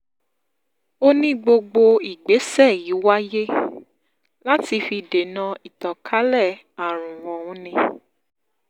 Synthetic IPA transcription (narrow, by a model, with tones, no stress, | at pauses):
o˦nĩ˦ɡ͡bo˧ɡ͡bo˧i˨ɡ͡be˨˦sɛ˦˨ji˨˦wa˦je˦ | la˦ti˧fi˧˨de˨nã˧i˨tɔ̃˨kʰa˨˦lɛ˦˨ | a˨ɾ̃ũ˨w̃ɔ̃˨wũ˨˦nĩ˧